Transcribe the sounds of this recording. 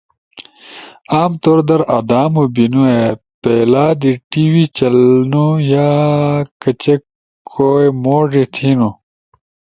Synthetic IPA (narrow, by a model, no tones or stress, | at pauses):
aːmt̪oːɾd̪ɐɾɐd̪aːmubinue | pelaːd̪iʈiwit͡ɕɐlnujaːkɐt͡ɕe | kʰojmoːʐit̪ʰiːnu